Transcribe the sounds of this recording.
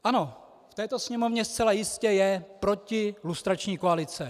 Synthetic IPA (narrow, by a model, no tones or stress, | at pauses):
ʔano̞ | ft̪ɛːt̪o̞sɲɛmo̞vɲɛst͡sɛlajɪscɛjɛpɾo̞cɪlust̪ɾat͡ʃɲiːkoalɪt͡sɛ